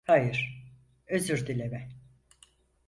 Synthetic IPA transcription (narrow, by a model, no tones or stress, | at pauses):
hajɯɾ̥ | øzyɾd̪ilʲevɛ